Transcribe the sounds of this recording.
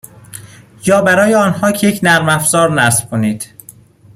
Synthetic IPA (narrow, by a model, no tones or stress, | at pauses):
jɒːbæɾɒːjeɒːnhɒːcʰejecʰnæɾmæfz̥ɒːɾnæsb̥̚kʰoniːd̪̥